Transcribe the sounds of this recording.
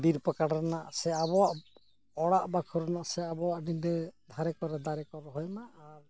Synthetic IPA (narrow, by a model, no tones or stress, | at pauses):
d̪iɾpakaɽɾɛnaʔsɛabɔwaʔ | ɔɽaʔbakʰɔɾɛnaʔsɛabɔwaʔnindɛd̪ʱaɾɛkɔɾɛd̪aɾɛkɔɾɔɦɔjnaʔːɾ